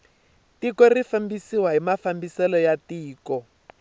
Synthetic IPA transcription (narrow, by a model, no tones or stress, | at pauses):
tikɔrifambisiwaɦimafambisɛlɔjatiːkɔ